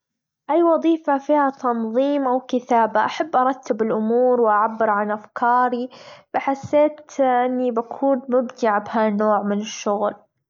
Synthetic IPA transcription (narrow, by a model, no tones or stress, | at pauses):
ʔajːwɑðˤiːfafiːhat̪ɑnðˤiːmʔawkɪt̪aːbaʔaħabːʔɑɾˤɑt̪ʰːɪbɪlʔʊmuːɾwɪʔaʕabːɪɾʕanʔafkʰɑːɾibaħasːeːt̪ʔɪnːibakʰuːnmʊbt̪ɪʕabɦanoːʕmɪnɪʃːʊɣl